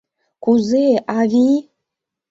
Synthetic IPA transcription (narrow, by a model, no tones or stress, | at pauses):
kʰʷuzeʔavi